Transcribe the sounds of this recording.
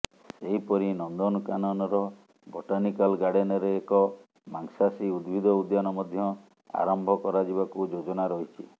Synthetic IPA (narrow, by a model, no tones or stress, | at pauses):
seɦipɔɾinɔnd̪ɔnɔkanɔnɔɾɔ | boʈanikalɡaɽenɔɾeːkɔ | maŋsasiud̪bʱid̪ʱɔud̪janɔmɔd̪ʱjɔ | a̰ɾɔmbʱɔkɔɾad͡ʒiβakud͡ʒod͡ʒɔnaɾɔɦit͡ʃʰi